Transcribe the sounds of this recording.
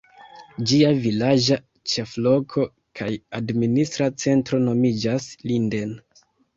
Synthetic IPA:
d͡ʒiavilad͡ʒa | t͡ʃeflo̞kʰo̞ | kʰajadministɾat͡se̞ntɾo̞no̞mid͡ʒaslinde̞n

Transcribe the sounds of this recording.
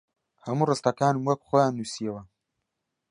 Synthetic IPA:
hɐmurɨst̪ɐkaːnɨmwɐk̚χojaːnːusijewɐ

